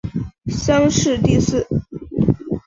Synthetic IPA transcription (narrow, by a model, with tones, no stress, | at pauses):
ɕɑ˥ŋʂɻ̩˥˧t̪i˥˧sɹ̩˥˩